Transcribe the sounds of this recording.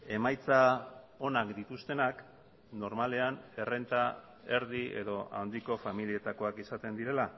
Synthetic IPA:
e̞majt͡sao̞nakd̪it̪ust̪e̞nak | no̞ɾmale̞ane̞re̞nt̪a | e̞ɾðie̞̰ðo̞ʔa̰wnd̪iko̞familie̞t̪ako̞akisat̪e̞nd̪iɾe̞la

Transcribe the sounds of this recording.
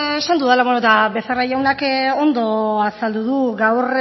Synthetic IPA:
esand̪uðalaβonot̪abe̞sarajawnako̞nd̪o̞asald̪uðuɡawr

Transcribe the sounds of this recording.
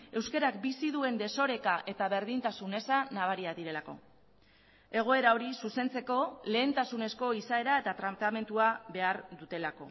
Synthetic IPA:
e̞wske̞ɾak̚bisiðue̞nd̪e̞so̞ɾe̞kaʔe̞t̪aβe̞ɾðint̪asune̞sanaβ̞aɾiaðiɾe̞lako̞̰ | e̞ɣ̞o̞e̞ɾaoɾisuse̞nt͡se̞ko̞le̞ːnt̪asune̞sko̞isae̞ɾae̞t̪at̪ɾamt̪ame̞nt̪uaβe̞aɾðut̪e̞lako̞̰

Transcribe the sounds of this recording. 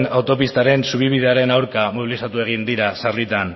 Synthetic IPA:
nawt̪o̞pist̪aɾe̞nsuβ̞iβiðe̞aɾe̞nawɾkamoβ̞ilisat̪ue̞ɣ̞ind̪iɾasaɾrlit̪an

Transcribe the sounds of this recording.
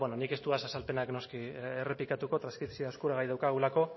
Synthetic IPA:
bononike̞st̪uasasalpe̞nakno̞skiere̞plikat̪uko̞t̪ɾanskɾit̪sioaskuɾaɣajðawkaɣ̞ulako̞

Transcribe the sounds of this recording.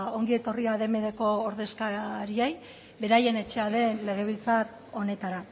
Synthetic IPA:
o̞ŋɡie̞t̪o̞riaðe̞me̞ðeko̞ːɾðe̞skaɾiej | be̞ɾaje̞ne̞t͡ʃe̞aðe̞nle̞ɣ̞e̞β̞ilt͡saɾ | o̞ne̞t̪aɾa

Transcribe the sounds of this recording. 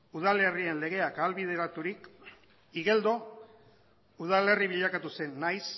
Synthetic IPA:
uð̞ale̞rie̞nle̞ɣ̞e̞akaːlβið̞e̞ɾat̪uɾik | iɣe̞ld̪o̞ | uð̞ale̞riβiʎakat̪use̞nːajs

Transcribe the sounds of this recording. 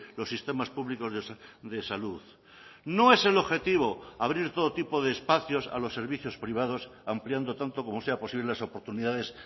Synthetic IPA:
lo̞sːist̪e̞maspuβliko̞zðd̪e̞saluð | no̞e̞se̞lo̞βxe̞t̪iβ̞o̞aβɾiɾt̪o̞ð̞ot̪ipo̞ðeːspaθjo̞sa̰lo̞sːe̞ɾβiθjo̞spɾiβ̞að̞o̞sampljand̪o̞t̪ant̪oko̞mo̞se̞apo̞siβlelaso̞po̞ɾt̪uniðaðe̞s

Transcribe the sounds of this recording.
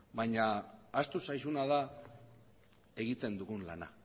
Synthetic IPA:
bajɲaːst̪usajsunað̞a | e̞ɣit̪e̞nd̪uɣunlana̰

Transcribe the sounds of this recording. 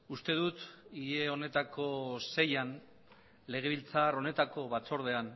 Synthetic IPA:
ust̪e̞ð̞ut̪ieo̞ne̞t̪ako̞se̞jan | le̞ɣ̞e̞βilt͡saɾo̞ne̞t̪ako̞βat͡so̞ɾð̞e̞an

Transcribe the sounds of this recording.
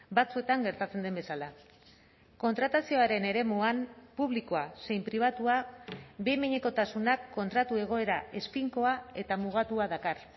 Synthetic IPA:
bat͡sue̞t̪aŋɡe̞ɾt̪at͡se̞nd̪embe̞sala | ko̞nt̪ɾat̪asio̞aɾe̞ne̞ɾe̞muanpuβlikoase̞jmpɾiβ̞at̪uabemeɲe̞ko̞t̪asunakːo̞nt̪ɾat̪ue̞ɣ̞o̞e̞ɾae̞spiŋko̞ae̞t̪amuɣ̞at̪uaðakar

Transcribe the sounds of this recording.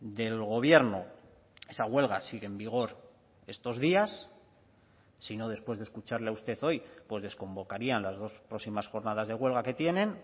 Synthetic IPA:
d̪e̞lɣo̞β̞je̞ɾno | e̞saɣwe̞lɣasiɣ̞embiɣ̞o̞ɾ | e̞st̪o̞zðias | ino̞ð̞e̞spwe̞zðeskut͡ʃaɾleaust̪e̞θo̞jpwe̞zð̞e̞sko̞mbo̞kaɾianlazð̞o̞spɾosimasxo̞ɾnað̞azð̞e̞ɣwe̞lɣake̞t̪je̞nẽ̞n

